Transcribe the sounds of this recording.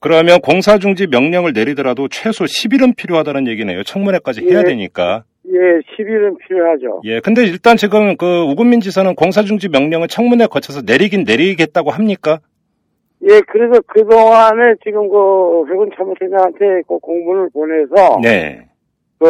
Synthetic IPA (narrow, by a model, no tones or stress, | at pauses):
kɯɾʌmjʌnkoŋsʰad͡ʑuŋd͡ʑimjʌŋɲʌŋɯɭne̞ɾidʌɾadot͡ɕʰwe̞sʰoɕʰibiɾɯnpʰiɾjoɦadanɯnje̞ɡinḛjot͡ɕʰʌŋmune̞k͈ad͡ʑihe̞jadwe̞ɲik͈a̰ | jeɕʰibiɾɯnpʰiɾjoɦad͡ʑo̰je̞kɯnde̞iɭt͈ant͡ɕiɡɯmkɯuɡumːind͡ʑisʰʌnɯnkoŋs̬ʰad͡ʑuŋd͡ʑimjʌŋɲʌŋɯɭt͡ɕʰʌŋmune̞kʌt͡ɕʰʌsʰʌne̞ɾiɡinne̞ɾiɡe̞t̚t͈aɡohamɲik͈a | je̞kɯɾes̬ʰʌkɯdoŋane̞t͡ɕiɡɯmkɯɸweɡɯnt͡ɕʰamotʰedaɦantʰe̞kokoŋmunɯɭpone̞sʰʌne̞̰ | kɯ